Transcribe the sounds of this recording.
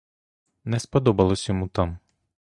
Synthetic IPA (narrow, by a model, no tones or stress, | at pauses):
nɛspɔd̪ɔbɐlˠɔsʲjɔmut̪ɑm